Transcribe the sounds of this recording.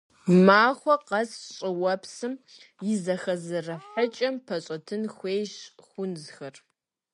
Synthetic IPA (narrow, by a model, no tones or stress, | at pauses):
maːχʷɔqɐsɕʼɪwɐpsɨm | jɪzɐxɐzɨrɐħɐt͡ʃʼɐmpʰɐɕʼɐtʰɨnxʷeːjɕxʷʊnzxɐr